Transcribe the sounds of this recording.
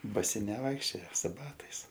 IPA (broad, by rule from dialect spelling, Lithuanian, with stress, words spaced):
bɐˈsʲɪ nʲɛˈʋɐɪkʃʲt͡ʃʲoːjɛ sʊ ˈbɑːtɐɪs